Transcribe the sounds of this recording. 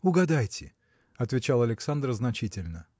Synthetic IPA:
ʊɡɐd̪ajtʲɪ | ɐt̪vʲɪt͡ɕalˠɐlʲɪksand̪rznɐt͡ɕitʲɪlʲnə

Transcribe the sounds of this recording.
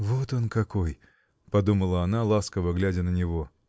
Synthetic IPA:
vo̞t̪o̞nkɐko̞j | pɐd̪uməlˠəɐnalˠaskəvəɡlʲædʲənənʲɪvo̞

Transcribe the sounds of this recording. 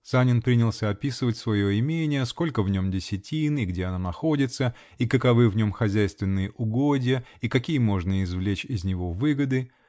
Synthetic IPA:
sanʲɪnpɾʲinʲɪlˠsʲəɐpʲisɨvətʲsvɐjo̞ɪmʲenʲɪjəsko̞lʲkəvnʲo̞mdʲɪsʲɪtʲinɪɡdʲeɐnanɐxo̞dʲɪt̪sə | ikəkɐvɨvnʲo̞mxɐzʲæjst̪vʲɪnːɨjəʔʊɡo̞dʲɪjəikɐkʲijəmo̞ʐnəɪzvlʲet͡ɕɪzʲnʲɪvo̞vɨɡəd̪ɨ

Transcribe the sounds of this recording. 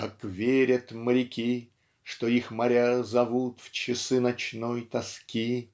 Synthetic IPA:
kakvʲeɾʲət̪məɾʲɪkʲi | ʂt̪oixmɐɾʲazɐvut̪ft͡ɕɪsɨnɐt͡ɕnojt̪ɐskʲi

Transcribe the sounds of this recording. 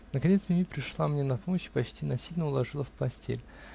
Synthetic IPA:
nəkɐnʲet̪smʲɪmʲipɾʲɪʂlˠamnʲenɐpoməɕɪ̥pɐt͡ɕtʲinɐsʲilʲnəʊlˠɐʐɨlˠəfpɐsʲtʲḛlʲ

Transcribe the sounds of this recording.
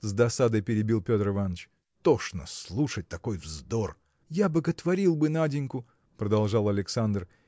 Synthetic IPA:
zd̪ɐsad̪əjpʲɪɾʲɪbʲilˠpʲo̞t̪rɨvanːət͡ɕ | t̪oʂnə̰sslˠuʂət̚ʲt̪ɐkojvzd̪or | jabəɡət̪vɐɾʲilˠbɨnadʲɪnʲkʊ | pɾəd̪ɐlˠʐɑlˠɐlʲɪksand̪r

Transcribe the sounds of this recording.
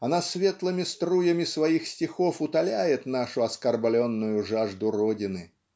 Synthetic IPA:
ɐnasvʲet̪lˠɨmʲɪst̪ɾujəmʲɪsvɐixsʲtʲɪxofʊt̪ɐlʲæjɪt̪naʂʊɐskɐrblʲonːʊjʊʐaʐd̪ʊrodʲɪnɨ

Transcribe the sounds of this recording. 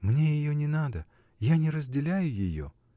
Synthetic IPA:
mnʲe̞jɪjonʲɪnad̪ə | janʲɪɾəzʲdʲɪlʲæjʊjɪjo̰

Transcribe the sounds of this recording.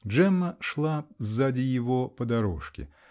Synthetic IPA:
ʐɛmːɐʂlˠazːadʲɪjɪvɔpɐd̪aɾɔʂkʲɪ̰

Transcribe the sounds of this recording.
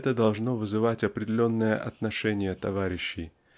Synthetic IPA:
t̪əd̪ɐlˠʐno̞vɨzɨvatʲɐpɾʲɪdʲɪlʲo̞nːɨjə̰ʔɐt̪nɐʂɛnʲɪjət̪ɐvaɾʲɪɕːɪj

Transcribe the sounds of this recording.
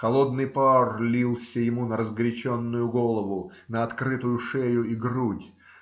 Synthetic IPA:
kɐlˠo̞d̪nɨjparlʲilˠsʲəjɪmunəɾəzɡɾʲɪt͡ɕonːʊjʊɡolˠəvʊ | nəɐt̪kɾɨt̪ʊjʊʂejʊiɡrudʲ

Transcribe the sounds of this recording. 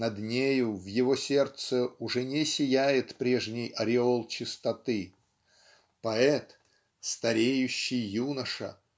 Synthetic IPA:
nɐd̪nʲejʊvjɪvosʲe̞rt̪səʊʐɛnʲɪsʲɪjæjɪt̪pɾʲe̞ʐnʲɪjɐɾʲɪolˠt͡ɕɪst̪ɐt̪ɨ | pɐɛt̪ | st̪ɐɾʲejʉɕːɪjːunəʂə̰

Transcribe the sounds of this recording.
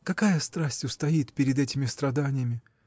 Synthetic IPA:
kɐkajəst̪ɾasʲtʲʊst̪ɐit̪pʲɪɾʲɪd̪ɛtʲɪmʲɪst̪ɾɐd̪anʲɪjəmʲɪ

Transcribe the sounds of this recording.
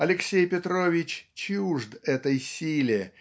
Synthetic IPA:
ɐlʲɪksʲejpʲɪt̪ɾo̞vʲɪt͡ɕt͡ɕuʐd̪ɛt̪əjsʲilʲɪ

